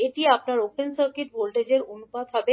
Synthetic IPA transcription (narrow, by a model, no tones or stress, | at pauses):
eʈiapnaɾopensəɾkiʈbolʈed͡ʑeɾonupad̪ɦɔbe